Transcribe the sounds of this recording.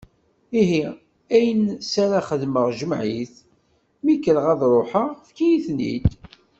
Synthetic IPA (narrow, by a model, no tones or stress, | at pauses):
iɦi | æjənsaɾaχəðməʁʒəmʕiθ | mikəlʁæðɾˤʊħəʁfkijiθnḭt̪